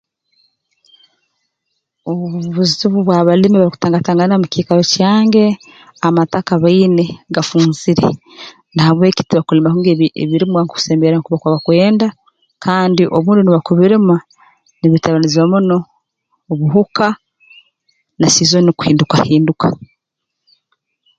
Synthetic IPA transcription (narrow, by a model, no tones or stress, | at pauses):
oβuβuβuziβuβwaːβalimiβaɾiku̥taːŋɡataːŋɡaniɾamukiːkaɾocaːŋɡe̞ | amatakaβaineɡafuːnziɾe̞̰ | naβwe̞ːci̥tiβakulimahuŋɡeḛβiɾimwaŋkuu̥seːmbeɾanikuβakwaβakwe̞ːnda | kʰaːndiʔoβuːndiuniβakuβiɾima | niβitaβaniziwamuno̞ː | βuɦuka | nasizoniku̥hiːndukahiːndukḁ